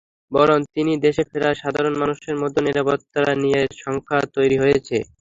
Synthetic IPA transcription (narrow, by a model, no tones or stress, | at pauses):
bɔɾont̪inid̪eʃefeɾaʃad̪ʱaɾonmanuʃeɾmɔd̪ʱːoniɾapot̪ːaɾanijeɾʃɔŋkʰat̪ojɾiɦojet͡ɕʰe